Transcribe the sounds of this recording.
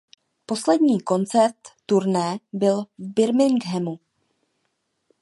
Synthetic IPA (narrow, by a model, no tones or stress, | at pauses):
po̞slɛdɲiːko̞nt͡sɛɾt̪ːuɾnɛːbɪlvbɪɾmɪŋɡɦɛmu